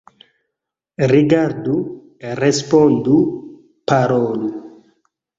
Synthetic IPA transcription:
riɡaɾd̪u | erɛspɔnd̪u | paɾɔːlu

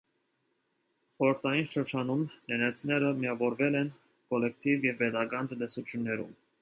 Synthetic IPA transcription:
χɔɾəɾt̪ʰɑjinʃəɾt͡ʃʰɑnumnɛnɛt͡sʰnɛɾəmijɑvɔɾvɛlɛn | kɔlɛk̚t̪ivjɛvpɛt̪ɑkɑnt̪ənt̪ɛsut͡sʰjunːɛɾṵm

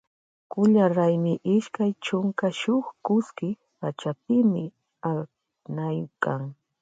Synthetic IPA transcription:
kʊʎaɾajmɪʔɪʃkajt͡ʃʊŋkaʃʊχkʊskɪ | pat͡ʃapɪmɪ | a | najkaŋ

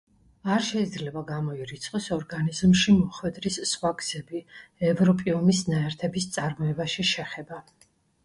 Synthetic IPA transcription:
aɾʃɛid̪zlɛbaɡamɔiɾit̪sʰχʼɔsɔɾɡanizmʃimɔχwɛd̪ɾisːχwaɡz̥ɛbiɛvɾɔpʼiɔmisnaɛɾt̪ʰɛbist̪sʼaɾmɔɛbaʃiʃɛχɛba

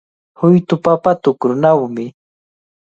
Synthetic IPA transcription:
hʊjt̪ʊpapat̪ʊkɾʊnawmɪ

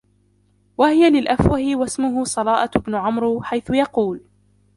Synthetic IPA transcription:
wahɪjalɪlʔafwahɪwasmʊɦʊsˤɑlɑːʔaɪbnʊʕamɾħajθʊjɑquːl

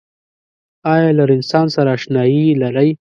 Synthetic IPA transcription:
ɑjɑlaɾɪnsɑnsaɾaːʃnɑjilaɾəj

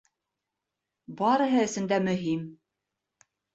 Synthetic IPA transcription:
bɑɾɤ̆ɦɤɘ̆sɘ̆nd̪æmɵ̆ɦim

